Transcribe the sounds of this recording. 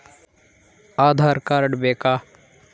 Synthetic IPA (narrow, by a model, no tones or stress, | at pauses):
aːd̪ʱaːɾkaːɾɖbeːkaː